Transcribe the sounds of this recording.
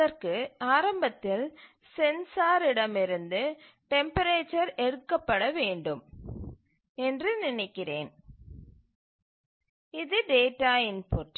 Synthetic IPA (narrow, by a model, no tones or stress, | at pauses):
ðɐrkɯaːɾɐmbɐt̪ːɪl | sɛnsaːɾɪɽɐmɪɾɯnd̪ɯ | ʈɛmpɐɾeːt͡ʃːɐɾɛɽɯkːɐpːɐɽɐʋeːɳɖɯm | ɛndrɯnɪnɪkːɪreːn | ɪðɯɖeːʈːaːɪnpoʈ